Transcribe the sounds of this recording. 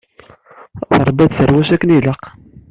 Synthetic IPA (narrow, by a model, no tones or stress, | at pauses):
θəɾˤbæd̪θəɾwæʃækːəniləq